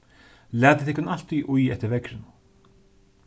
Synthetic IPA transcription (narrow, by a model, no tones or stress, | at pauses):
lɛːt̪ɪ̥θɪhkʊnal̥t̪iʔujɛ̰ht̪ɪɾvɛkɾɪn